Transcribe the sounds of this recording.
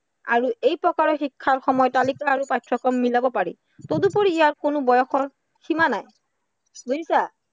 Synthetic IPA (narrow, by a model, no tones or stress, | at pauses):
a̰ɹuejpɹɔkaɹɔxikʰːaɹxɔmɔjɔtalikaːɹupajtʰɹɔkɔmːilabɔpaɹḭ | todupoɹiːjaɹkonʊbɔjɔxɔɹ | ximanaj | ɡuisa